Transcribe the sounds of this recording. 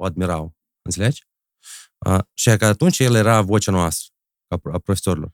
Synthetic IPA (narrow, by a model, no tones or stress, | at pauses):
oad̪̚mʲiɾalˠ | ɨnt̪ʲelʲet͡ʃ | ə̰ʃiakat̪unt͡ʃjeljeɾavot͡ʃanoast̪ɾə̥ | kaapɾofʲe̥soɾʲilo̰r